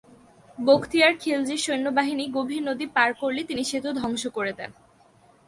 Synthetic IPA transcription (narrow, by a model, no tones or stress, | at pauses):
bokʰt̪iaɾkʰeld͡ʑiɾʃojnːobaɦiniɡobʱinod̪ipaɾkoɾlet̪iniʃet̪ud̪ʱɔŋʃokoɾet̪ḛn